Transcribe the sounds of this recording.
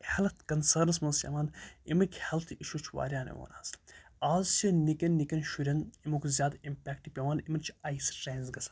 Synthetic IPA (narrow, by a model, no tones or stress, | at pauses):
hɐlɐt̪kɐnsəːɾnɐsmɐnsɐ̰maːnimɐnkʰʲhɛlt̪ʰiʃut͡ʃʰʋa̰ːɾʲjaːnḭʋo̰ːna̰ːsaːzt͡ʃʰinikʲɐnːikɐnʃuɾʲɐnimukzʲjaːd̪impʲɛːk̚ʈipʲɐʋaːnimɐnt͡ʃʰɐjsɾeːnzɡɐsɐ̥